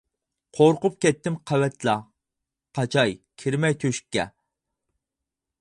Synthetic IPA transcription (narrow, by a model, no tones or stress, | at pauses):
qʰoɾqʊp̚kʲɛt̪ːɪmqʰæwɛt̪ʰlɑ | qʰɑt͡ʃʰɑjkʲʰiɾmɛjt̪ʰøʃkʲːɛ̰